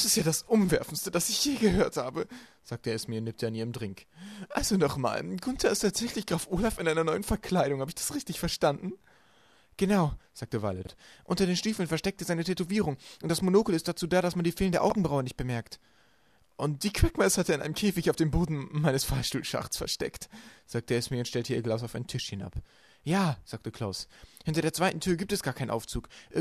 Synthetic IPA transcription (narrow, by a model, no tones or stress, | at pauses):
d̥asɪstjaːdasʔʊmvɛɐfn̩stəd̥asɪçhiːɐɡəhøːɐthaːbəz̥aːktəeːɛsmiːɐnɪːp̚taːaniːəmdʁɪŋkʔalzonɔχma̰ːlɡʊntʰɐɪstʰaːtz̥ɛçlɪçɡ̥ʁaːfʔoːlafɪnʔaɪnɐnɔʏənfɛɐkʰl̥aɪɾʊŋhaːbəɪçd̥ḁsʁɪçtɪçfɛɐʃtandn̩ | ɡ̥ənaʊz̥aːk̚təva̰lɛ̰tʔʊntɐdeːnʃtiːfl̩nfɛɐʃtɛk̚təzaɪnətʰetoviːʁʊŋʔʊntd̥asmonoːkl̩ɪst̚d̥at͡suːdaːɾasmandiːfeːlndeɛɐʔaʊɡŋ̩bʁaʊɐnɪçt̚b̥əmɛɐkt | ʔʊnt̚d̥iːkʰw̥ɛkmɛshatəɪnʔa̰ɪnəmkʰeːfɪçaʊfd̥eːmboːdn̩maɪnəsfaɐʃtuːlʃa̰χt͡sfɛɐʃtɛ̰ktz̥aːk̚tʰəɛsmiːɐʊntʃtɛltʰəiːɐɡlaʊs̬aʊfa̰ɪnəntʰɪʃhɪna̰p | jaːz̥aːk̚təkʰl̥aʊshɪntɐɾeːɐt͡sv̥aɪtn̩tʰyːɐɡiːp̚tɛsɡ̥aːkʰaɪnʔa̰ʊft͡suːkʔ